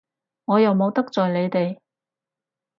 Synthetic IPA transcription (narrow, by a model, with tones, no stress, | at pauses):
ŋɔː˨˧jɐ˨wmo˨˧wt̪ɐ˥k̚t͡sɔː˨jle˨˧jt̪e˨j